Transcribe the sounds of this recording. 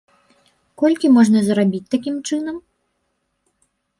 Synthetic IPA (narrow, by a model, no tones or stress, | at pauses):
kɔlʲkʲimɔʐnɐzrabʲit͡s̚ʲt̪akʲimt͡ʂɨnɐm